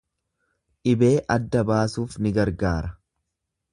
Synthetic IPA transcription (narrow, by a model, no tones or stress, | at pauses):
ʔɪbe̞ːʔɐd̪ːɐbaːsuːfnɪɡɐɾɡaːɾɐ